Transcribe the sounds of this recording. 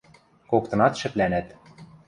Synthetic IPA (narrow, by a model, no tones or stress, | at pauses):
kok̚t̪ɤ̆nɑt̪ʃɘ̆plænæt̪